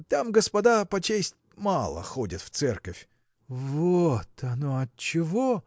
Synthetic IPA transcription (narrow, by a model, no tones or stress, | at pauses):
t̪amɡəspɐd̪apɐt͡ɕesʲtʲmalˠə̰xodʲɪt̪ft̪sɛrkəfʲ | vot̪ʰɐnoɐt̪t͡ɕɪvo